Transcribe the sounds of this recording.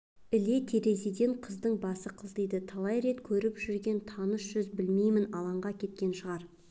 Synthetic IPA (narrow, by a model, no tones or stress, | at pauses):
ɪle̞t̪ʰe̞ɾe̞sed̪e̞ɴqʰəzd̪əɴbɑsəqʰəzd̪ejd̪ɪt̪ʰɑlˠɑjɾe̞t̪kʲʰɵɾɪpʒʏɾɡʲe̞nt̪ʰɑnəsʒ̥ʏzbɪlmejmɪnɑlˠɑɴʁɑkʲʰe̞t̪̚kʲe̞nʃəʁɑɾ